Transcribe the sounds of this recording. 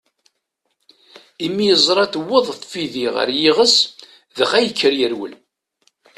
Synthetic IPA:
imːijəzˤɾˤɑt̪əwːəðˤθfiðiʁə̰ɾjiʁəs | ðəχæjəkːəɾjəɾwə̰l

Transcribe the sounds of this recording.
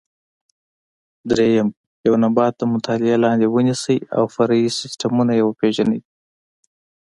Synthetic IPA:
d̪ɾejam | jawnabɑt̪ːamʊt̪ɑlɪalɑnd̪ewənisəja̰wfaɾaisɪsʈamunajawapeʒanəj

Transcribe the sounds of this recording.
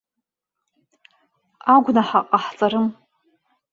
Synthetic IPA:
aɡʷnaħaqʼaħt͡sʼaɾɨm

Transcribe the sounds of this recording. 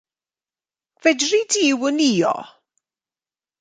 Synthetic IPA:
vɛdridiwəniːɔ̰

